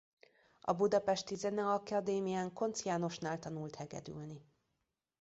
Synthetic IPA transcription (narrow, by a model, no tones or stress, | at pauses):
ʔɒ̰bud̪ɒpɛʃt̪izɛnɛɒkɒd̪eːmijaːŋko̞nt̪sjaːno̞ʃnaːlt̪ɒnult̪hɛɡɛ̰d̪y̰lni